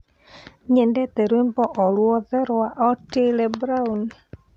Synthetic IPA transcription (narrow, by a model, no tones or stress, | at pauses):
ɲɛndɛtɛɾwembɔʔɔlwɔðɛɾwaʔɔtelɛbɾaun